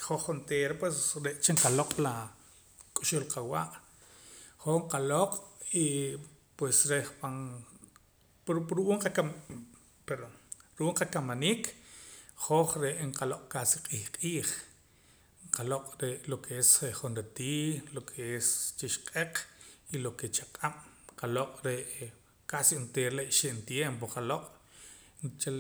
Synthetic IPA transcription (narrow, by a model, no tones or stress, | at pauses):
χoχːunt̪eːɾapwesɾeʔt͡ʃeɴqaloqʼla | kʼuʃulqawaːʔ | χoɴqaloqʼi | pwesɾeχpan | ɾɾuʔuːɴqakam | peɾoɾuʔuːɴqakamaniːk | χoχɾeʔɴqaloqʼkasiqʼiːχqʼiːχ | ɴqaloqʼɾeʔlokʰeeseχunɾet̪iːlokʰeest͡ʃiʃqʼeqʼiloket͡ʃaqʼam̥qaloqʼɾeʔ | kasint̪eɾleʔʃeʔnt̪jemp̬oqaloqʼ | t͡ʃel